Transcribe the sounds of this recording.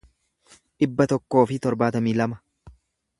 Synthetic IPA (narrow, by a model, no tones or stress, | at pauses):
ᶑɪbːɐt̪ɔkːo̞ːfɪt̪ɔɾbaːt̪ɐmiːlɐmɐ